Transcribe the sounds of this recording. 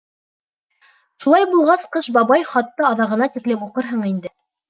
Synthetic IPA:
ʃulˠɑjbulˠʁɑsqɤʃbɑβɑjχɑt̪ːɤɑðɑʁɤ̆nɑt̪iklɘmuqɤɾɦɤɴind̪ɘ

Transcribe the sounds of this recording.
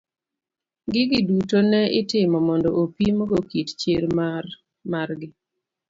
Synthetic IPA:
ɡɪɡɪdutonɛɪtɪmɔmɔndɔʔopimoɡokitt͡ʃɪɾma | maɾɡɪ

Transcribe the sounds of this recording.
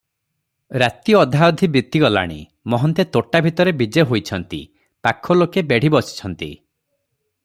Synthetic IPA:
ɾat̪iɔɔd̪ʱaɔd̪ʱibit̪iɡɔla̰ɽ̃ḭ | mɔɦɔnt̪et̪oʈabʱit̪ɔɾebid͡ʒeɦojt͡ʃʰɔnt̪ḭ | pakʰɔlokebeɽ̤ibɔsi̥t͡ʃʰɔnt̪i

